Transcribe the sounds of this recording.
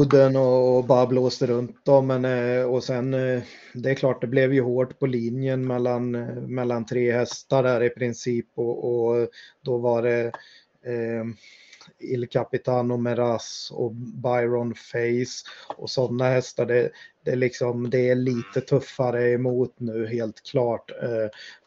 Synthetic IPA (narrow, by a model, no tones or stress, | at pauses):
d̪ənɔːbɑːɾabloːsd̪əɾɵnt̪̚d̪ɔmːɛnɔsɛn | d̪ɛækʰlɑːʈ̚d̪ɛblɛvjɵɦoːʈpʰɔliːnjənmɛlːanmɛlːant̪ʰɾeːhɛst̪aɖæɾɪpʰɾɪnsiːpɔɔd̪ɔvaɖɛ | ɪlkʰapɪt̪ʰaːnɔmɛɾasɔ̰bajɾɔnfɛɪsɔsɔnːahɛst̪aɖɛd̪ɛælɪksɔmd̪ɛæɭiːt̪ət̪ʰɵfːaɾəɛmuːt̪nʉ̟ːɦeːlt̪kʰlɑːʈ